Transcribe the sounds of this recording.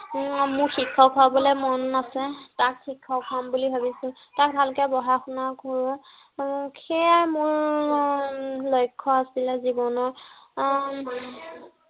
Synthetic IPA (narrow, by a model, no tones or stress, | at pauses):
mʊɹxikʰːɔkʰabɔlɛmɔnːasɛtakxikʰːɔkʰambulibʱabisil | tak̚bʱalkɛbɔɦaxunakɔɹʊ̃ | kʰɛjamʊɹ | lojkʰːɔasilɛzibɔnɔɹ